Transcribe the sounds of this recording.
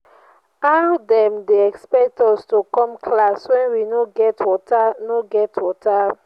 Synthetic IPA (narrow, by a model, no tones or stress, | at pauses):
aldɛ̃mdeɛkspɛk̚tɔstokɔ̃mkʰlaswɛ̃nwinoɡɛtwɔtanoɡɛtʰwɔtʰa